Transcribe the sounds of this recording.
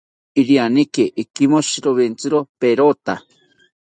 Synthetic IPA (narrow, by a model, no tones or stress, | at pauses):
iɾianikeʔikimoʃiɾoβent͡sɨɾopeɾot̪a